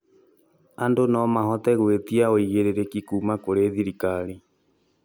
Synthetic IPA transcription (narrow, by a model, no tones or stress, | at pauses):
andonɔmaɦɔt̪ɛɣwet̪iaoiɣeɾeɾekikuːmakoɾeðiɾikaɾi